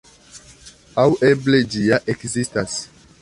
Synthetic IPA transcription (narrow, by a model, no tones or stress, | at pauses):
awʔebled͡ʒiaʔekzistas